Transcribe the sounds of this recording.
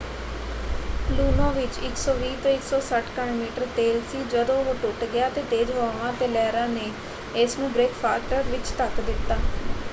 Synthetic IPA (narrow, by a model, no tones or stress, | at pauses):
luːnãːʋɪt͡ʃɪksɔːʋiːt̪õːɪksɔːsəʈkanoːmiːʈəɾt̪eːlsiːd͡ʒəd̪õːoːʈʊʈɡɪjaːt̪eːt̪eːd͡ʒɦaːʋãːt̪eːlɛːɾãːneː | ɪsnũːbɾeːkpʰaːkʈəɾʋɪt͡ʃt̪əkd̪ɪt̪ːaː